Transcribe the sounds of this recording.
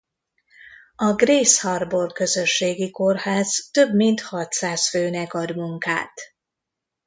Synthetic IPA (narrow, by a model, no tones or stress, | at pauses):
ɒɡreːshɒrbo̞rkø̞zøʃːeːɡiko̞rhaːzt̪ø̞bmint̪hɒt̪saːsføːnɛkɒd̪muŋka̰ːt̪